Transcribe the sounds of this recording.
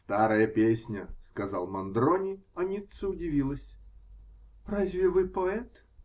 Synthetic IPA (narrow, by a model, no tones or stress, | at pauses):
st̪aɾəjəpʲesʲnʲəskɐza̰lˠmɐnd̪ɾonʲɪɐnʲit̪səʊdʲɪvʲilˠəsʲ | razʲvʲɪvɨpoɛt̪